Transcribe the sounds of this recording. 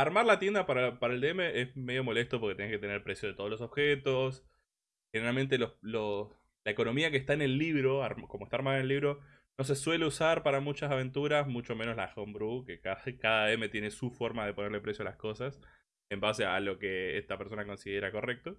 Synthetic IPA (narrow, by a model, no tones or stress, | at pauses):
aɾmaɾlat̪je̞nd̪apaɾapaɾaeld̪eeme̞ʔesme̞ðjo̞mo̞le̞st̪opoɾket̪eneket̪eneɾpɾe̞sjo̞ð̞et̪oolos̬o̞βxet̪o̞s | xeneɾalmẽ̞nt̪̬e̞lolo | laeko̞no̞miakest̪aene̞lːiβɾo̞aɾmkomoest̪aɾmaðenelːiβɾo̞ | no̞s̬e̞swe̞le̞usaɾpaɾamut͡ʃasaβe̞nt̪uɾasmut͡ʃome̞noslaxombɾukekaakaðaeme̞t̪je̞ne̞sufo̞ɾmað̞epo̞neɾlepɾe̞sjoalasko̞sas | embasea̰lo̞ke̞ḛst̪apeɾs̬o̞nako̞nsiðe̞ɾako̞re̞k̚t̪o